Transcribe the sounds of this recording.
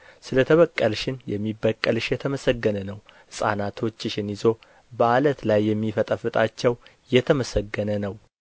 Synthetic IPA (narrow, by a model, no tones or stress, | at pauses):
sɨlət̪ʰəβəkʼːəlʃɪnjɛmːibːəkʼːəlʃjɛt̪ʰəməsəɡːənənəwhɨsʼa̰nat̪ʰo̞t͡ʃːɪʃɪnɪzo̞ | bəalət̪lajːɛmːifət̪ʼəfɨt̪ʼat͡ʃːɛw | jɛt̪ʰəməsəɡːənənəw